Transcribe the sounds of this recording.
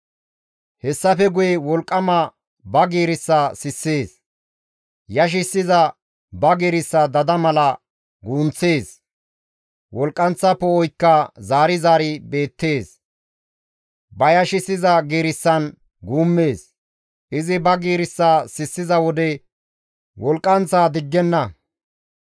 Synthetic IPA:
hɛsːɐfɛɡʊjɛwɔlkʼːɐmɐ | bɐɡiːɾɪsːɐsɪsːeːs | jɐʃ̬ɪsːɪzɐ | bɐɡeːɾɪsːɐd̪ɐd̪ɐmɐlɐ | ɡuːnt͡sːe̞ːs | wɔlkʼːɐnt͡sːɐpːɔɔjkːɐzaːɾɪzaːɾɪbe̞ːt̪ːe̞ːs | bɐjɐʃɪsɪzɐɡiːɾɪsːɐn | ɡuːmːe̞ːs | ʔɪzɪbɐɡiːɾɪsːaːsɪsːɪzɐwɔd̪ɛ | wɔlkʼːɐnt͡sːaːd̪ɪɡːɛnːɐ

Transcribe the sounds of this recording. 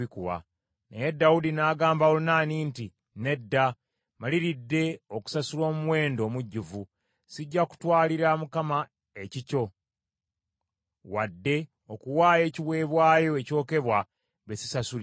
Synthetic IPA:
ikuwa̰ | nḛje̞dːawudinaːɡaːmbaolunaːniːnti | ne̞dːa | maliɾidːe̞oku̥sasulo̞ːmuwe̞ːndo̞ːmuɟːuvu | siɟːaku̥twaːliɾamukama | ecico̞ | wadːe̞ | o̞kuwaːje̞ːciwe̞ːβwaːjo̞eco̞ːke̞βwa | βesi̥sasul

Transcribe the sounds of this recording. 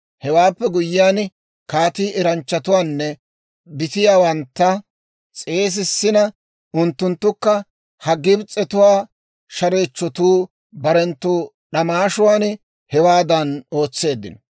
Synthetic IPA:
hɛwaːpːɛɡʊjːɪjaːn | kaːt̪iːɛɾɐnt͡ʃːɐt̪ʊwaːnːɛ | bɪt̪ɪjaːwɐnt̪ːɐ | t͡sʼe̞ːs̬ɪsːɪnɐ | ʊnt̪ːʊnt̪ːʊkːɐ | hɐɡɪbt͡sʼɛt̪ʊwaː | ʃɐɾe̞ːt͡ʃːɔt̪uː | bɐɾɛnt̪ːuː | ɗɐmaːʃʊwaːn | hɛwaːd̪ɐno̞ːt͡sːe̞ːd̪ːɪnɔ

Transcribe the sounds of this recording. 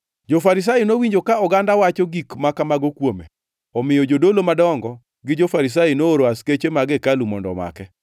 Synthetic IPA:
d͡ʒofaɾɪs̬ajinowiɲd͡ʒokaɔɡandawat͡ʃoɡikmakamaɡokwomḛ | ɔmɪjɔd͡ʒodolomadɔŋɡɔ | ɡɪd͡ʒofaɾis̬ajinooɾoasket͡ʃemaɡekalumɔndɔ̰ma̰kɛ

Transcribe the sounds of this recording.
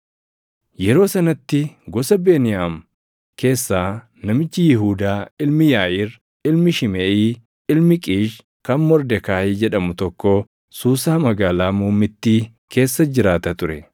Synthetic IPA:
jɛɾo̞ːsɐnɐt̪ːɪɡɔsɐbe̞ːnɪjaːm | kʰe̞ːsːaː | nɐmɪt͡ʃːɪjɪɦuːd̪aːɪlmɪjaːʔɪɾ | ɪlmɪʃɪmeːiː | ɪlmɪkʼiːʃ | kɐnmɔɾd̪ɛkaːhid͡ʒɛᶑɐmʊt̪ɔkːo | suːsaːmɐɡaːlaːmuːmɪt̪ːiː | ke̞ːsːɐd͡ʒɪɾaːt̪ɐt̪ʊɾɛ

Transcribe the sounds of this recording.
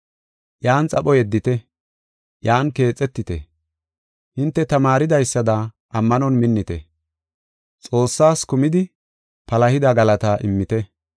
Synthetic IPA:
jaːnt͡sʼɐpʼɔjɛd̪ːɪt̪ɛ | jaːnke̞ːt͡sʼːɛt̪ːɪt̪ɛ̰ | hɪnt̪ːɛt̪ɐmaːɾɪd̪ɐjsːɐd̪ɐ | ʔɐmːɐnɔnmɪnːɪt̪ɛ̰ | t͡sʼo̞ːsːaːskʊmɪd̪ɪ | pɐlɐhɪd̪ɐɡɐlɐt̪ɐʔɪmːɪt̪ɛ

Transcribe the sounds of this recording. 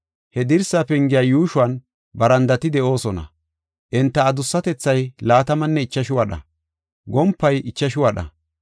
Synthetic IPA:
hɛd̪ɪɾsapɛŋɡɪjaːjuːʃʊwɐn | bɐɾɐnd̪ɐt̪ɪd̪ɛʔo̞ːsɔnɐ̰ | ʔɪnt̪ːɐːd̪ʊsːɐt̪ɛt͡sːɐjlaːt̪ɐmɐnːɛɪt͡ʃːɐʃɪwɐɗɐ̰ | ɡɔmpːɐjʔɪt͡ʃːɐʃɪwɐɗɐ̰

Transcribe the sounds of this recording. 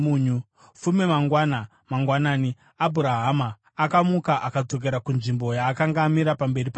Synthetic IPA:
uːɲu | fumemaŋɡwana | maŋɡwanaːni | abʱuɾaɦamaː | kamukaʔakad͡zo̞k̬e̞ɾakunʐimbo̞jaːkaŋɡaːmiɾapambe̞ripa

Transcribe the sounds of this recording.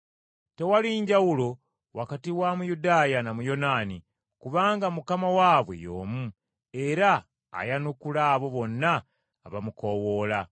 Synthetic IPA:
te̞waliɲɟawulo̞ | wakatiwamujudaːjanamujo̞naːni | kuβaːŋɡamukamawaːβwe̞̰jo̰ːmu | e̞ɾa̰ː | janukulaːβo̞βo̞nːaː | βamuko̞wo̞ːla

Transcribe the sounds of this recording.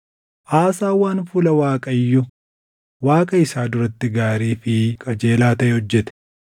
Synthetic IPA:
ʔaːsaːwaːnfuːlɐwaːkʼɐɪjːɔ | waːkʼɐɪsaːd̪ʊɾɐt̪ːɪɡaːɾiːfɪkʰʼɐd͡ʒe̞ːlaːt̪ɐʔɛhɔd͡ʒːɛt̪ɛ̥

